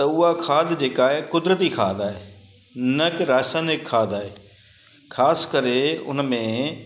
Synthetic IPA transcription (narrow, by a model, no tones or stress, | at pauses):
t̪ɐʊɦakʰaːd̪ʱd͡ʑeːkaːɦekʊd̪ɾət̪ikʰa̰ːd̪aːɦeː | nɐkɾaːsaːnɪkʰːaːd̪ʱaːɦeː | kʰaːskəɾeʊ̰nmẽ